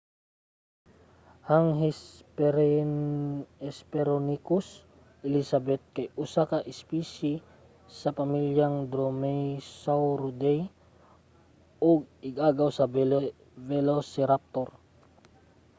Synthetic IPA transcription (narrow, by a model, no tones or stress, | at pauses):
haŋɦɛpɛɾ | ɛspɛɾonikʊs | ʔɪlisabɛt̪̚kajʔusakaʔɪspisi | sɐpamiljaŋd̪ɾomɛjsawɾud̪ɛj | ʔɔɡ̚ɪɡaːɡawsaɛl | vɛlosɛɾap̚t̪oɾ